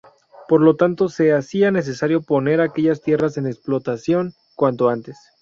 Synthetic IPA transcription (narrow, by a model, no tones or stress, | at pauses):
po̞ɾlo̞t̪ant̪o̞se̞asiane̞s̬e̞saɾjo̞po̞ne̞ɾake̞ʝast̪je̞rase̞neksplo̞t̪asjo̞ŋ | kwant̪o̞ant̪e̞s